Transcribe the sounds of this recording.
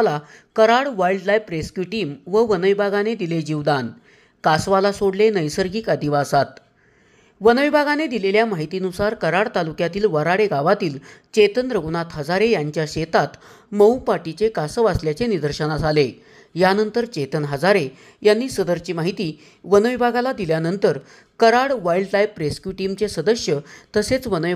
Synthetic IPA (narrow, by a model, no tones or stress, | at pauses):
lakəɾaɽʋailɖlajpɾeskjuʈiːmʋəʋənəjbʱaɡaned̪iled͡ʑiʋd̪an | kasʋalasoɽlenəjsəɾɡiːkad̪iʋasat̪ | ʋənəjbʱaɡaned̪ileljamaɦit̪iːnusaɾkəɾaɽt̪alukjat̪iːlʋəɾaɽeɡaʋat̪iːlt͡ɕet̪ənɾəɡunat̪ɦəd͡zaɾejaɲt͡ɕjaɕet̪at̪ | məwpaʈit͡ɕekasəʋasljat͡senid̪əɾɕənad͡zʱale | janənt̪əɾt͡ɕet̪ənɦəd͡zaɾe | janːiːsəd̪əɾt͡ɕiːmaɦit̪iː | ʋənəjbʱaɡalad̪iljanənt̪əɾ | kəɾaɽʋaiɭɖʈaipːɾeskjuʈimt͡sesəd̪əɕjət̪əset͡sʋənəj